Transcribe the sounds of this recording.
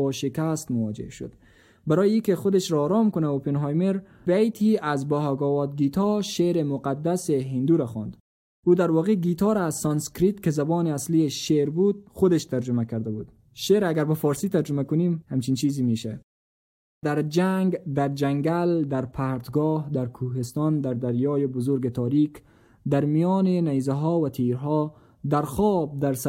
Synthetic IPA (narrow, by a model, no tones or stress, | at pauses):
ɔːʃekast̪mʊwɔd͡ʒḛʃʊ̰d̪̥ | baɾɔːjeiːkexʊd̪eʃɾɔːɾɔːmkʊnaupenɦɑjmeɾ | bejt̪ʰiazbɔɦaɡɔːwɒːd̪̚ɡit̪ʰɔʃeɾemʊqad̪ːaseɦind̪uːɾaxɔ̰nd̪ | uːd̪aɾwɒːqeɡit̪ɒːɾːzsɒnskɾit̪kezabɔːneaslieʃeɾbud̪̚xʊd̪eʃt̪aɾd͡ʒʊmakaɾd̪abuːd̪̥ | ʃeɾaɡaɾbafɔːɾsiːt̪aɾd͡ʒʊmakʊniːmhamt͡ʃint͡ʃiːzimiʃa | d̪aɾd͡ʒaŋɡd̪aɾd͡ʒaŋɡald̪aɾpʰaːɾt̪ɡɔːhd̪aɾkʰuːɦest̪ɑnd̪aɾd̪aɾjɔːjebʊzʊɾɡet̪ʰɒːɾiːk | d̪aɾmijɔːnenajzaɦɔːvat̪ʰiɾɦɔ | d̪aɾxɔːb̚d̪aɾs